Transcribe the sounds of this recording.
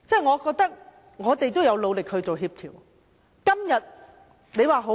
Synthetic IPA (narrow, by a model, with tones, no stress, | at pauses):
t͡sɛː˥˩ŋɔː˨˧kɔː˧k̚t̪ɐ˥k̚ | ŋɔː˨˧t̪e˨jt̪o˥wjɐ˧wlo˨˧wlɪ˨k̚hɵ˧ɥt͡so˨wɦiː˧p̚t̪ʰiː˨˩w | kɐ˥mjɐ˨t̚ | ne˨˧jwaː˨˩ɦo˨˥